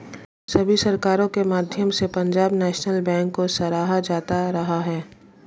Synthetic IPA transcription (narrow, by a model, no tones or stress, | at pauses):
sɐbʱisɐɾkaːɾõkemaːd̪ʱjəmsepɐ̃ɲd͡ʒaːbnɛːʃnəlbɛ̃ːŋkːosɐɾaːɦad͡ʒaːt̪aɾɐɦaɦɛː